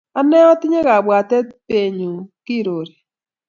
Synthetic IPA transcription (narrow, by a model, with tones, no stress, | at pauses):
a˦nɛ˦ɔ˦tɪ˦ɲe˦ka˨bwa˨tɛ˦pe˨ɲu˨ki˦˨ɾo˨ɾe˨